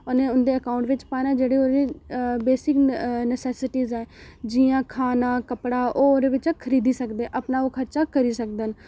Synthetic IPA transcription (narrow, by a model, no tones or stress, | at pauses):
ənẽːʊnd̪eːəkaːʊ̃ɳʈʋɪt͡ʃpaːnãːd͡ʒeːɽeːoːɾeːbeːsɪknəsɛːsɪʈiːzɛ̃ːd͡ʒiːãːkʰaːnaːkəpɽaːʔoːoːd̪eːʋɪt͡ʃakʰəɾiːd̪iːsəkd̪eːʔəpnaːoːkʰəɾt͡ʃaːkəɾiːsəkd̪ən